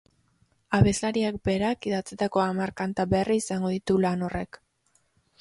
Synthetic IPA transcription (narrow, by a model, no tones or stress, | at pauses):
aβe̞zlaɾiak̚be̞ɾakiðat͡set̪ako̞amaɾkant̪aβeriːsaŋɡo̞ðit̪ulano̞re̞k